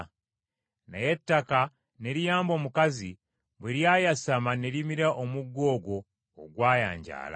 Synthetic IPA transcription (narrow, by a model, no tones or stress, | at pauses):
na̰je̞tːaka | ne̞ɾijaːmbo̞ːmukazi | bweɾjaːjasamane̞ɾimiɾaʔomuɡːo̞ːɡwo̞̰ː | ɡwaːja̰ːɲɟa̰ːla̰